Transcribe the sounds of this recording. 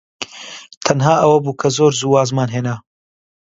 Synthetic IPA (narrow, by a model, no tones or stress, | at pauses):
t̪ʰɐnɦaːʔɐwɐbuːkʰɐzoːɾzuːwaːzmaːnɦeːna